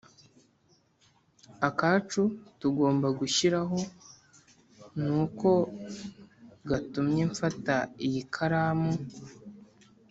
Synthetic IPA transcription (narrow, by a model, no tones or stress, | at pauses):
akat͡ʃutuɡo̞ːmbaɡuʃiɾaɦo̞ | nuko̞ | ɡatumɲeɱfataijikʰaɾaːmu